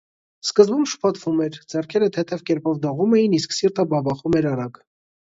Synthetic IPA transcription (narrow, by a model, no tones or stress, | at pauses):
skəzbumʃə̥pʰɑt̪vumɛɾd͡zɛrkʰɛɾət̪ʰɛt̪ʰɛvkɛɾpɔvd̪ɔʁumɛjinisksiɾt̪əbɑbɑχumɛɾɑɾɑɡ